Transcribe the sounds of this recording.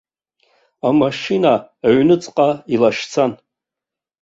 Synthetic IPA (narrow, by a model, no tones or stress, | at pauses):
amaʂinaaɥnɨt͡sʼqʼailaʃt͡sʰan